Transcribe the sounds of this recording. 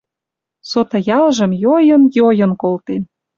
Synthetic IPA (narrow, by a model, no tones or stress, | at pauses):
sot̪ɑjɑlʒə̆mjojə̆njojɤ̆nkolt̪en